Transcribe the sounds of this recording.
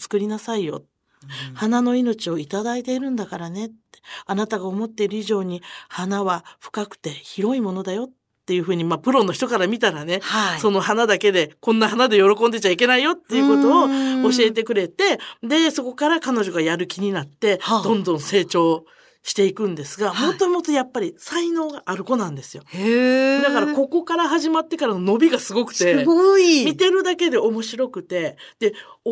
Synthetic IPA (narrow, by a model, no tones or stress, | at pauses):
t͡sɨ̥kɯ̟ɾʲinasaijo̞̰t̪ | hanano̞ino̞t͡ɕio̞it̪ad̪ait̪e̞iɾɯ̟̃nd̪akaɾane̞t̪ːe̥anat̪aɡaomo̞t̪ːe̞iɾɯ̟iʑo̞ːɲ̟ihanaβaɸɯ̟̥kakɯ̟̥t̪e̞çiɾo̞imo̞no̞d̪ajo̞t̪ːe̞jɯ̟ɸɯ̟ːɲ̟imapɯ̟ɾo̞nːoçi̥t̪o̞kaɾamʲit̪aɾane̞so̞no̞hanad̪ake̞d̪e̞kõ̞nːaɦanad̪e̞jo̞ɾo̞kond̪e̞t͡ɕaike̞naijo̞t̪ːe̞iɯ̟ko̞t̪o̞ːɕie̞t̪̬e̞kɯ̟ɾe̞t̪e̞d̪e̞so̞ko̞kaɾakano̞ʑo̞ɡajaɾɯ̟kʲiɲ̟inat̪ːe̞d̪õ̞nd̪õ̞ɰ̃se̞ːt͡ɕo̞ː | ɕi̥t̪e̞ikɯ̟̃nd̪e̞sɨɡamot̪ːomot̪ojapːaɾʲisaino̞ːɡaʔːɾɯ̟ko̞nãnd̪esɨjo̞ | d̪akaɾako̞ko̞kaɾaɦaʑimat̪ːe̞kaɾano̞no̞bʲiɡasɨɡo̞kɯ̟̥t̪e̞mʲit̪e̞ɾɯ̟d̪ake̞d̪e̞o̞mo̞ɕiɾo̞kɯ̟t̪e̞d̪̥e̞o